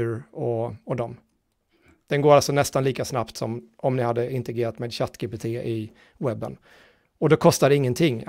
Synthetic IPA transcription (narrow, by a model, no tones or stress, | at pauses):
ɾɔɔd̪ɔm | d̪̥ɛnɡoːɾalsɔnɛst̪anliːkasnapt̪sɔ̰mɔmnɪhad̪ːəɪnt̪ɛɡɾeːɾat̪mɛd̪ɕat̪ːkɪpɪt̪ʰeːʔɪ | wɛbːə̰n | ɔd̪ɛkʰɔst̪ad̪ɛɪŋːənt̪ʰɪŋː